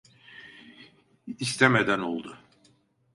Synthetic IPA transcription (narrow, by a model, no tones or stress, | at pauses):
ist̪ʰemed̪ænolˠd̪ʊ